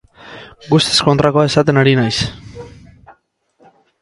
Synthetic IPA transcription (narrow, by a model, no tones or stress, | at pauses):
ɡust̪esko̞nt̪ɾako̞ae̞sat̪e̞naɾinajs